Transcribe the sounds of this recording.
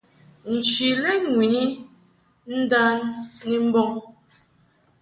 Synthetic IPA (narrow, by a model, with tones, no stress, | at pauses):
n̩˨t͡ʃi˨lɛ˦ŋwi˨ɲi˦ | n̩˦da˦nːi˦m̩˦bɔ˦ŋ